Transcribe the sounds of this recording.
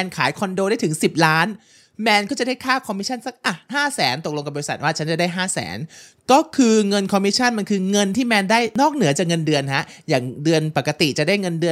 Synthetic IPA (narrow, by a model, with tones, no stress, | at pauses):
ɛ˧nkʰaː˩˦jkʰɔ˧ndoː˧ɾaː˥˩jt̪ʰɯ˩˦ŋsi˨˩p̚laː˦˥n | mɛː˧nkɔː˥˩t͡ɕa˨˩daː˥˩jkʰaː˥˩kʰɔ˧mi˦˥a˥˩˨nsa˦˥k̚ʔa˨˩haː˥˩sɛː˩˦nt̪o˨˩k̚lo˧ŋka˨˩bɔ˧i˧sa˨˩t̪̚waː˥˩t͡ɕʰa˦˥nt͡ɕa˨˩daː˥˩jɦaː˥˩sɛ̰ː˩˦nkɔː˥˩kʰɯː˧ŋɤ˧nkʰɔ˧mi˦˥t͡ɕʰa˥˩nma˧nkʰɯː˧ŋɤ˧nt̪ʰiː˥˩mɛː˧ndaː˥˩jnɔː˥˩k̚nɯ˩˦t͡ɕaː˨˩k̚ŋɤ˧ndɯ˧ənɦa˦˥ʔjaː˨˩ŋdɯ˧ənpa˨˩kːa˧t̪i˨˩t͡ɕa˨˩daː˥˩jŋɤ˧ndɯ˧ən